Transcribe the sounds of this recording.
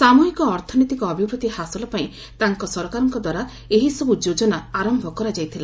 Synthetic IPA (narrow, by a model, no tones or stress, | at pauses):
samuɦikɔːɾt̪ʰɔnit̪ikɔːbʱibɾut̪ihasɔlɔpaĩ | t̪aŋkɔsɔɾɔkaɾɔŋkɔd̪waɾa | eɦisɔbud͡ʒod͡ʒɔnaaɾɔmbʱɔkɔɾad͡ʒajt̪ʰila